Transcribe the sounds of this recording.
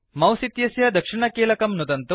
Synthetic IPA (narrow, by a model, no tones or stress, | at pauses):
mɐwsit̪jɐsjɐd̪ɐkʂiɳɐkeːlɐkɐmnud̪ɐnt̪u